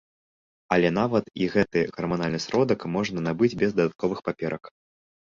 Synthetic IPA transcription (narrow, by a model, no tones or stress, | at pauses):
ɐlʲɛn̪avɐt̪iɣɛt̪ɨɣɐrmanalʲnɨsɾɔd̪ɐkmɔʐnɐnabɨd͡zʲbʲɛzd̪ɐd̪at̪̚kɔvɨxpapʲɛɾʔɐk